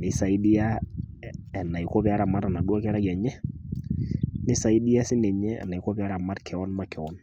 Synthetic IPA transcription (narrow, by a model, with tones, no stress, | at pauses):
nɪ˦sa˨i˦di˦a˦ | ɛ˨na˨i˨ko˦pɛ˦a˦ɾa˨ma˦ɾa˨na˨ɗu˦a˦kɛ˦ɾa˦ka˨ɲɛ˦ | ni˦sa˨i˦di˦a˦si˦nɛ˨ɲɛ˦a̰˨na˨i˨ko˦pɛ˦a˦ɾa˨ma˦ɾkʰɛ˨ɔ˦nma˦kʰɛ˨ɔ˦n